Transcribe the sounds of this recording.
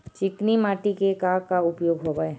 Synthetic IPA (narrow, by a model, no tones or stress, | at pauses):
t͡ʃɪknimaːʈikekaːkaʊpjoːɡɦobae